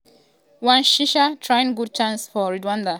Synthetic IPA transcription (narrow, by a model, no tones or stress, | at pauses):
wãnʃiʃatʰɹaɪ̃nɡud̚t͡ʃãnsfɔɹidwãnda